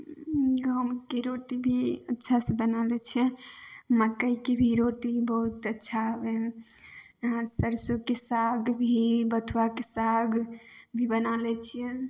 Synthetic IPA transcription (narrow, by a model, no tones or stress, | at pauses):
ɡʱəmkeɾoʈibʱiətːʃʰasẽbənalɛt͡ʃʰɛmakəjkebʱiɾoʈibəɦut̪ətːʃʰaɦəbe | səɾsokesaɡbʱibət̪ʰuwakesaɡbʱibənalɛt͡ʃʰiɛ